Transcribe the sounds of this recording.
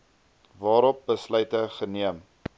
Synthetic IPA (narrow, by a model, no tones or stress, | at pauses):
vɑːɾɔp̚bəslœjtəχəniəm